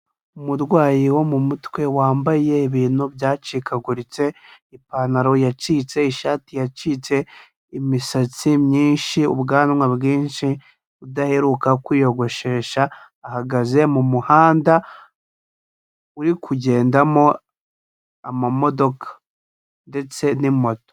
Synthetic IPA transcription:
umudɡwaːjiwo̞mumutwe̞waːmbaje̞iβiːnubjaːt͡ʃikʰaɡuɾit͡se̞ | ipanaɾo̞jat͡ʃiːt͡se̞iʃaːtijat͡ʃiːt͡se̞ | imisat͡simɲiːnʃiṵbɡaːnmwaβɡiːnʃi | udahe̞ɾukakwiːjo̞ɡo̞ʃe̞ːʃaː | haɡaze̞mumuhaːnda | uɾikʰuɟe̞ːndamo̞ | amamo̞do̞kʰḁ | nde̞t͡se̞nimo̞to̥

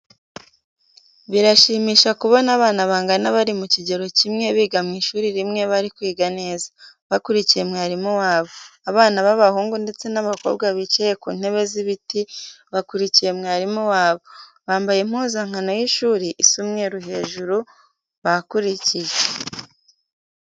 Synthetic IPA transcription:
βiɾaʃiːmiːʃakuβo̞naβaːnaβaːŋɡanaβaɾimuciɟe̞ɾo̞cimŋe̞βiːɡamŋiːʃuːɾiɾimŋe̞βaɾikwiːɡane̞ːza | βakuɾicije̞mŋaːɾimuwaːβo̞aβaːnaβaβahuːŋɡunde̞t͡se̞naβako̞̰ːβɡwaβit͡ʃejekṵːn̥he̞βe̞ziβitiβakuɾicije̞mŋaːɾimuwaːβo̞ | βaːmbajem̥uːzaŋ̥ano̞jiʃuːɾiʔisumŋe̞ɾuɦe̞ːʒuɾu | βakuɾicije

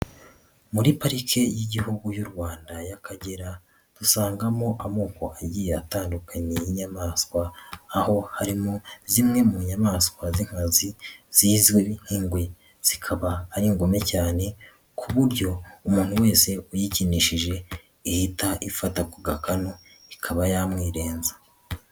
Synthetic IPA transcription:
muɾipaɾikʰe̞jiɟihuɡujuɾɡwaːndajakʰaɟe̞ɾa | d̥usaːŋɡamo̞ʔamuːko̞ʔaɟiːjeataːndukʰaɲejiɲamaːskwaːho̞haɾimozimŋe̞muɲamaːskwaziŋ̥haziz̥iːzweβin̥hiːŋɡwe | z̥ikʰaβaːɾiŋɡo̞me̞caːne̞ | kʰuβuɾɟo̞umuːn̥huwe̞ːse̞ujiciniʃiʒe̞ | ihitaʔifatakuɡakano | ikʰaβajamŋiːɾe̞ːnzḁ

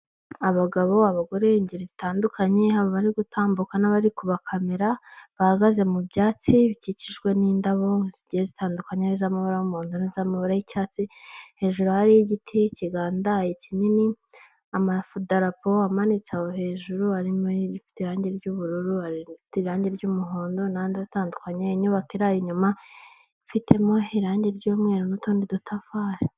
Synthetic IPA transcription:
aβaɡaβo̞aβaɡo̞ɾe̞iɲɟiɾizitaːndukʰaɲehaβoβaɾiɡutʰaːmbukanaβaɾikuβakʰameɾaβahaɡaze̞mubɟaːt͡siβiciciʒɡwe̞niːndaβo̞ŋziɟihezitaːndukaɲenizamaβaɾaumuːndunizamaβaɾajicaːt͡sihe̞ːʒuɾuhaɾijiɟitʰiciɡaːndajecinini | amafudaɾapo̞amanit͡sahoɦe̞ːʒuɾuaɾimoifi̥teiɾaːɲɟeɾɟuβuɾuɾuaɾiiteɾaːɲɟeɾɟuːmuɦo̞ːndo̞nandazitaːndukaɲaiɲuβakiɾajiɲuma | fitʰe̞mo̞iɾaːɲɟeɾɟuːmŋe̞ːɾonutuːndidutʰafaɾa

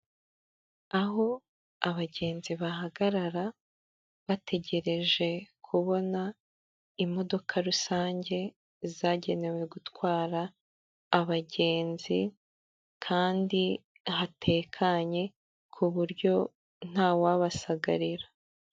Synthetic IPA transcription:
aɦo̞ | aβaɟe̞ːnziβaɦaɡaɾaɾa | βatʰe̞ɟe̞ɾe̞ʒe̞kʰuβo̞na | imo̞do̞kʰaɾusaːɲɟe̞ | zaːɟe̞ne̞we̞ɡutwaːɾaː | βaɟe̞ːnzi | kʰaːndi | hatʰe̞ːkʰaɲe̞ | kʰuβuɾɟo̞ | n̥aːwaβasaɡaɾiɾḁ

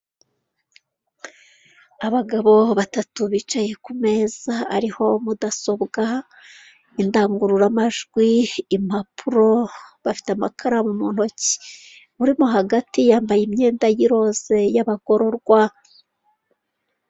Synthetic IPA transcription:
aβaɡaβo̞βatatuβit͡ʃaje̞kume̞ːz̥aa̰ɾiho̞mudaso̞bɡa | indaːŋɡuɾuɾamaʒɡwiːm̥apʰuɾo̞βafi̥teamakʰaɾamumun̥ho̞ci̥ | βuɾimoɦaɡatijaːmbajimɲe̞ːndajiɾo̞z̥e̞jaβako̞ɾo̞ɾɡwa

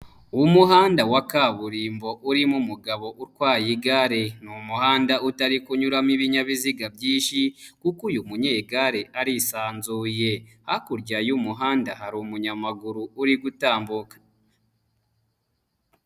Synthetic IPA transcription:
uumuɦaːndawakaβuɾiːmbo̞ʔuɾimumuɡaβo̞ʔuɾkwaːjiɡaɾe̞numuhaːndautaɾikuɲuɾamiβiɲaβiziɡabjiːnʃikukujumuɲeɡaɾeʔaɾisaːnzuje̞hakuɾɟajumuɦaːndahaɾumuɲamaɡuɾuːɾiɡutaːmbukḁ

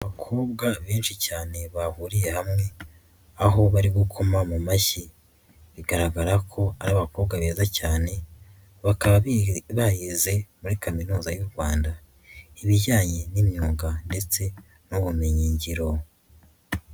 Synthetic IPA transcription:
aβakʰo̞ːbɡaβiːnʃicaːne̞βahuɾije̞hamŋe̞ | aɦo̞βaɾiɡukʰo̞mamumaçi | βiɡaɾaɡaɾakʰo̞aɾaaβako̞bɡaβeːzacaːne̞ | βakaβaββajize̞muɾikʰaminuːzajuɾɡwaːnda | iβiɟaːɲe̞nimɲuːŋɡande̞t͡se̞ | nuβumeɲiːɲɟiɾo̞

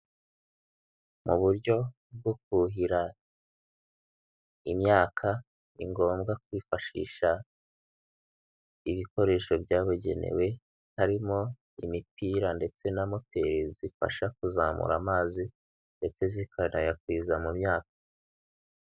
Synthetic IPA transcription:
muβuɾɟo̞ | b̚ɡok̚uɦiɾa | imɲaːkʰa | nḭŋɡo̞ːmɡak̚wiːfaʃḭːʃa | iβiko̞ɾe̞ːʃo̞bjaːβuɟe̞̰nḛwe̞ | haɾimo̞ | ḭmipiːɾande̞t͡se̞namote̞ɾizifa̰ʃakuzaːmṵɾa̰maːzi | nde̞t͡se̞zikʰanajakwizamumɲaːk̚ḁ

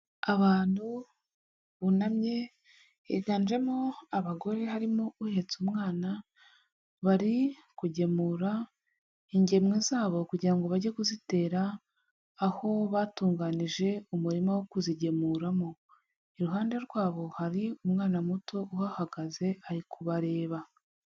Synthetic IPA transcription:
aβaːn̥hu | βunamɲe̞ | ḛɡaːnd͡ʒe̞moaβaɡo̞ɾe̞ɦaɾimouhe̞t͡sumŋaːna | βaɾi | kuɟe̞muːɾa | iɲɟemŋizaːβo̞kuɟiɾaŋɡo̞βaɟekuzite̞ːɾaː | ho̞βaːtuːŋɡaniʒe̞umuɾimawokuziɟe̞muːɾamo̞ | eɾuɦaːnde̞ɾɡwaːβo̞haɾiumŋaːnamuto̞uhahaɡaze̞aɾikʰuβaɾe̞ːβa

